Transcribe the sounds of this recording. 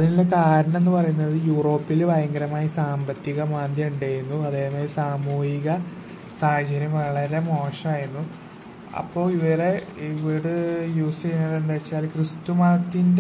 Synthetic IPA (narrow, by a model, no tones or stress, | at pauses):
ɐðinilːekaːɾɐɳɐ̃menːɨpɐrɐjunːɐðɨjuːro̞ːpːilbɐjɐŋɡɐɾɐmaːjisaːmbɐt̪ːiɣɐmaːnd̪ʱjɐmuɳɖeːɾunːuɐðeːmaːlsaːmuːhiɣɐ | saːhɐt͡ɕɐɾjɐmʋɐɭɐɾe̞mo̞ːʂɐmaːjunːu | ɐ̰pːo̞ːɭiʋɐɾe̞ | iʋiɽɨjuːsinːɐðe̞nd̪aːjit͡ɕːaːlkrɨst̪umaːt̪ːinde